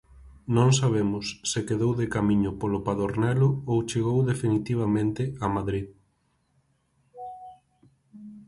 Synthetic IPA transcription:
nõŋs̬aβ̞emʊsːɪkeðowðekamĩɲʊpolopaðoɾnɛlʊowt͡ʃeɣowðefinit̪iβ̞amẽnt̪ɪamaðɾið

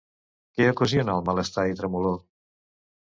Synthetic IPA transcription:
keəkuzionəlˠmaləst̪ait̪ɾəmulo

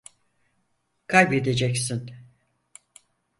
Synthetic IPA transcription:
kʰalʲbed̪e̞d͡ʒɛcsin

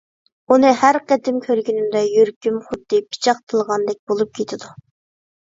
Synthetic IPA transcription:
unɨhæɾqət̪ɪmkʲʰøɾɡʲinɪmd̪ɛjyɾkʲymχʊd̪ːɨpʰi̥t͡ʃʰɑqt̪ʰəlˠʁɑnd̪ɛk̚ʲbolˠup̚kʲʰet̪ʰɪd̪u

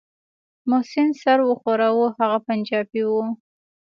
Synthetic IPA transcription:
mʊhsɪnsaɾwəxoɾawuhaɣapand͡ʒɑbiwu

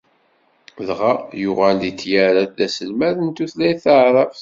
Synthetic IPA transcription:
ðʁajʊʁæld̪it̪ːjaɾad̪æsəlmæðənt̪uθlæjθaʕɾˤɑf

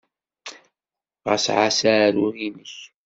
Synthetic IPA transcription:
ʁə̰sʕasaːɾuɾinəç

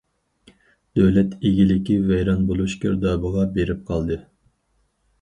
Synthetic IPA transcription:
d̪̥øwlɛt̪ʰeɡʲilɪkʲivɛjɾɑnbolˠuʃkʲʰø̰ɾd̪ɑːbɨʁɑbeɾɪp̚qʰɑlˠd̪ɨ

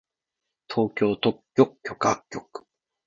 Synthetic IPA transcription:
t̪ʰo̞ːkʲo̞ːt̪okʲːokʲːo̞kakʲːokɯ̟̥

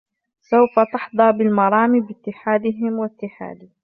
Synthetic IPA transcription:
sawfat̪ɪħd̪ˤɑːbɪlmɑɾˤɑːmibɪt̪ːɪħaːd̪ɪɦɪmwɪt̪ːɪħa̰ːd̪ɪ

